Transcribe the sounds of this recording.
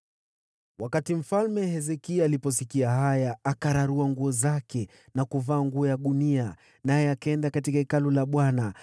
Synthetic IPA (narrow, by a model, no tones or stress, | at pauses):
wakatim̩falmɛɦɛzɛkialipɔs̬ikiahajaːkaɾaɾuaŋɡuɔzakɛ | nakuvaːŋɡuɔjaɗunia | najɛakaɛndakatikaikalulaɓwana